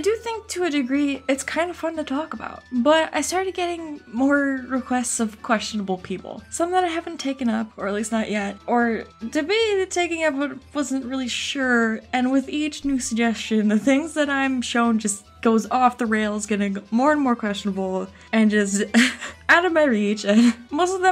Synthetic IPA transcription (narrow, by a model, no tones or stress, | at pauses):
aɪdɨθɪ̃ŋk̚tʰɨɨdɨɡɹiɨtskʰãɪ̃ndəfʌ̃ntɨtʰɔkəba̰ʊt̚b̥ʌɾa̰ɪstɑɹɾɨd̚ɡɛɾɪ̃ŋmɔɹɹɨkʰw̥ɛstsʌv̥kʰw̥ɛst͡ʃɨnəbl̩ˠpʰipl̩ˠsʌ̃mðəɾaɪhævn̩tʰeɪkɨ̃nʌpə˞ɨlisnəʔjɛt̚ə˞tɨbitʰeɪkɪ̃ŋʌpwʌtwʌz̃n̩ʔɹɪlˠiʃʊɹɨ̃nwɪðit͡ʃnʉsɨɡ̚d͡ʒɛst͡ʃɨ̃nðɨθɪ̃ŋzðɨɾãɪ̃mʃõʊ̃nd͡ʒʌs | ɡ̥oʊzɔfðəɹeɪlˠzɡʌnɨmɔɹɨ̃nmɔɹkʰw̥ɛst͡ʃnəbl̩ˠ | ɨ̃nd͡ʒʌs̬taʊɾʌvmaɪɹit͡ʃɨ̃nmoʊstʌvðə̃